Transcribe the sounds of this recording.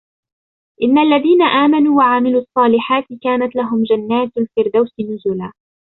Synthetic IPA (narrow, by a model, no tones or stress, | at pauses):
ʔɪnːalːaðiːnaʔaːmanuːwaʕamɪluːɑsˤːɑːlɪħaːt̪ɪkaːnat̪laɦʊmd͡ʒanːaːt̪lfɪɾd̪awsɪnʊzʊlaː